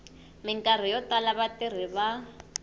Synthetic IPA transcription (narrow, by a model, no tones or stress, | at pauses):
mɪŋkʼar̤ijɔtalaβatir̤iβa